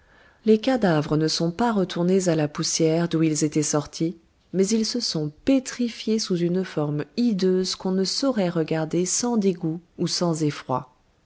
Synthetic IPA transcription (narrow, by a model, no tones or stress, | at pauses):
lekad̪avʁənəsɔ̃paʁət̪ʰuʁnezalapusjɛʁd̪uilzet̪ɛsɔʁt̪ʰi | mɛzilsəsɔ̃pet̪χifjesuzynfɔʁmid̪øzkɔ̃nəsɔʁɛʁəɡaʁd̪esɑ̃d̪eɡuusɑ̃zefχwa̰